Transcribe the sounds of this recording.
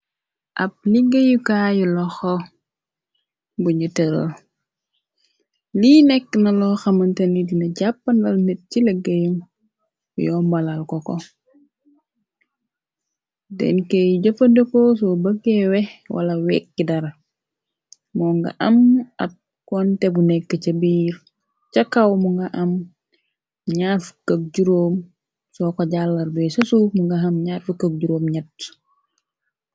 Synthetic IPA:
ʔɐp̚liɡɐjukajulɔxɔ | buɲutɛɾɐ̰l | liːnɛkːnɐlɔxɐmɐntɐnidinɐɟapːɐnbɐlnet̚ciləɡɐjum̰ | jɔːmbɐlalkɔkɔ | dɛ̰nkejɟɐfɐdokɔs̬ɔbəɡɛwɛhwʔɐ̰lɐwɛːk̚ːidɐɾa | mɔːŋɡɐ̰ʔɐmɐt̚ | kɔːntebunɛkːɐt͡ʃɐbiːɾ | t͡ʃɐkːawmuŋɡɐʔɐm | ɲaːfu̥kɐk̚ɟuɾoːm | sɔːkoɟalːɐɾbɛsɐsumuŋɡɐɦɐmɲaːrfukːɐk̚ɟuɾoːmɲɛtː

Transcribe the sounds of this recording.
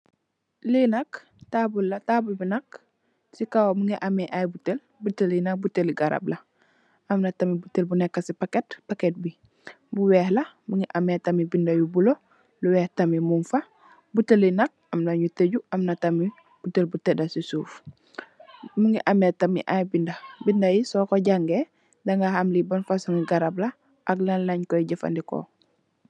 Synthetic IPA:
linɐk | tabulːɐtabulbinɐk | sikawomuŋɡiʔamɛʔajbutel | butelinɐk̚buteliɡaɾa̰blɐ | ɐmnɐtamibutelbunɛkːasipaketpaket̚bi | buwɛːhlɐmuŋiʔametamibindɐjubulo | luwɛːhtɐmimunfa | butelinɐk̚ɐmlɐɲuteɟuɐmnɐtɐmi | b̥utelbutedasisuːf | muŋiʔametɐmḭʔajbindɐbindajisɔːkoɟaŋɡe | dɐŋɡahamlibɐnfasuŋiɡaɾablɐ | ʔaɡlanlɐɲkɔjiɟɐfa̰ndiko̰

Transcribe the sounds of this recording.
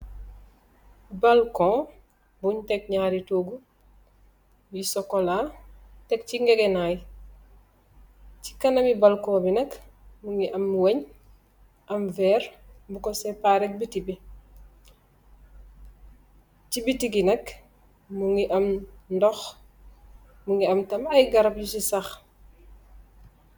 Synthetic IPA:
bɐlkɔ̃ː | buɲtɛk̚ɲaːɾitoːɡu | jisɔkɔlatɛk̚ciŋɡɛɡɛnaj | ci̥kɐnɐmibɐlkɔ̃ːbinɐkmuŋɡiʔɐmwɐɲ | ʔɐmvɛːrbukɔsɛpaːɾɛk̚bitibi | cibitiɡinɐk | muŋiʔɐmndɔx | muŋɡiɐmtɐmɐjɡɐɾɐp̚jusisɐx

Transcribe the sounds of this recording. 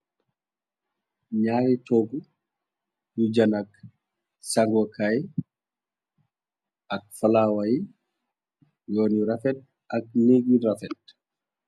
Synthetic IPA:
ɲaːɾitɔɡu | jud͡ʒanak̚ | saŋɡwɔkʰaj | ak̚falaːwaji | jɔːnjuɾafɛt̚ | ʔak̚neɡiɾafɛt̚

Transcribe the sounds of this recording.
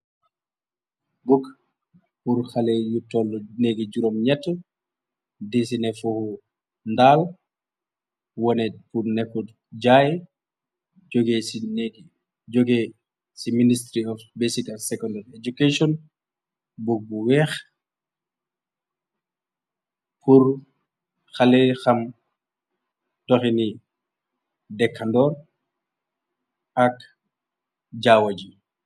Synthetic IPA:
buk | buɾxalɛjutːɔlːɔneɡid͡ʒuɾɔmɲɛtːɔ | disinɛfuhu | ndaːl | wɔnɛfunɛkːud | d͡ʒajɛ | d͡ʒoɡɛ | ɡɛ | siministɾiɔfbesikalsɛkɔndaɾɛd͡ʒukeʃɔn | buk̚buwɛːx | pʰuɾ | xalɛxɐm | tɔxini | dɛkʰːandɔɾ | ʔɐk | d͡ʒaːwɐd͡ʒi

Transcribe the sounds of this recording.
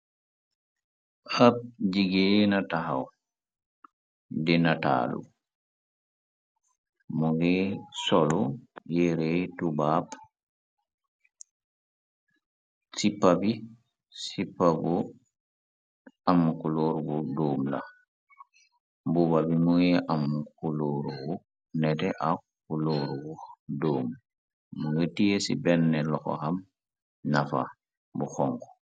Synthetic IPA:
hap̚d͡ʒiɡɛnataɦa̰w | dɛnata̰lṵ | mɔɡɛsɔlɔjɛɾɛtubap | sipːabi | sipːabu | amkuloːɾubudoːmla̰ | bubabimujeʔamkuloɾuɡu | nɛtɛʔak | kuloːɾuɡudoːm | muŋetijesḭbɛnːɛlɔxɔ̰xam | nafa̰ | buxɔŋkɔ̥

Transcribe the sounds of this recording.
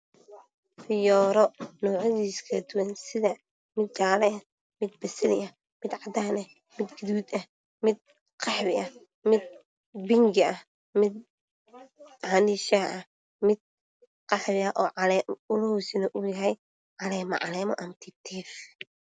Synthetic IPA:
fɪjɔːɾɔnɔːʕɔðiːskʰɐd̪ʊwɐnsɪðɐ | mɪd̪̚t͡ʃaːlɛɐ | mɪd̪̚bɐsɐlɪʔɐ | mɪd̪ʕɑd̪aːnɐ | mɪd̪ɡɪðuːd̪ɐh | mɪd̪̚ | qɑħɾɪʔɐh | mɪd̪̚ | bɪŋɡɪɐh | mɪd̪̚ | ʕɑniʃɐʔɐh | mɪd̪̚ | qɑħɾɪɐʔɔːʕɑlɛʊlɔhusɪnɐʔʊjɐɦɛj | ʕɑlɛːmɐʕɑ̰lɛːmɔʔɐmt̪ʰɪt̪ʰɛːf

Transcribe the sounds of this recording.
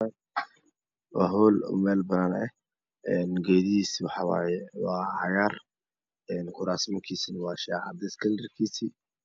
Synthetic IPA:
wɑ̰ːɦɔlɔ̰mɛːlbɐnɐnɛ | ɛnɡɛːðiiːswɑħɑwɑ̰ːjɛwɑːhɑjar | ɛːnkʰʊɾaːsmɐkʰiːsinɐwɑːʃɛːʕɑd̪ɛskʰɐldɐrkʰiːsi

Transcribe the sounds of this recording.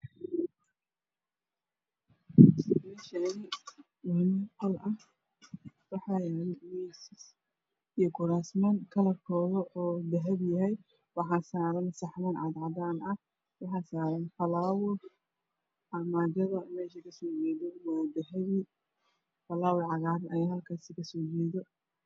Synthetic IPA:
mɛːʃɐɪ | mhɪnɐqɐlɐh | wɑħɑːjɛɾɛmɛsɪs | ijɔɡʊɾaːsmɐnkʰɐlɐrkʰɔːðɐʔɔːd̪ɐɦɛdjɐɦɛj | wɑħɑːsaːɾɐnsɑħmɐnʕɑd̪ʕɑd̪aːnɐh | wɑħɑːsaːɾɐnfɐlaːwʊr | ʕɐmaːd͡ʒɐðɐmɛːʃɐkʰɐsɔːd͡ʒɛːðɔwad̪ɐɦɛði | fɐlaːwʊrʕɑɣaːdɐjaːɦɐlkʰaːsɪkʰɐsɔːd͡ʒɛːðɔ

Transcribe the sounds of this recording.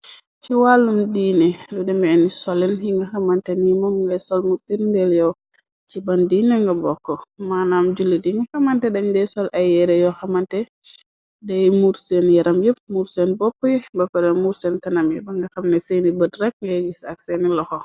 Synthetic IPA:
t͡ʃiwalːumdiːnɛludɛmɛɛnisɔlinhiŋɡɐxamantɛnimɔmŋɡɐsɔlmuɾsendɛljɔw | t͡ʃibandiːnɛŋɡɐbɔkːɔmanamd͡ʒulːidiŋɡɐxɐmantɛdɐɲdɛsɔlʔajɛɾɛjɔxamantɛ | dɛjmuɾsenjɛɾamjep̚muɾsɛnbɔpːɔjɛbɐkːɔdɛnmuɾsɛntɐnamjɛbɐŋɡɐxamnɛsenibədɾɛk̚ŋɡɐjɡisak̚sɛnilɔxɔ

